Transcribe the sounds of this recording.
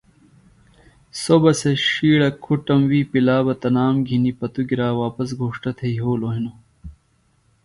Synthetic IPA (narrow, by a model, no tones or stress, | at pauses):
sobɐseʂiːɽɐkʰuʈɐmwiːpilaːbɐt̪ɐnaːmɡʱinipɐt̪uɡiɾaːwaːpɐs̬ɡʱoːʂʈɐt̪ʰeiɦoːloɦino